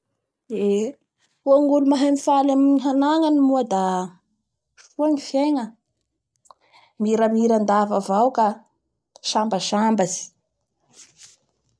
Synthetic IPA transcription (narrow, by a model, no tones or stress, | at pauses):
e | uaŋɡulumaɦamifalamɲiɦanaŋanimuad̪a | fuamifjeŋə | miɾəmiɾand̪avavawka | ʃambəʃambazi̥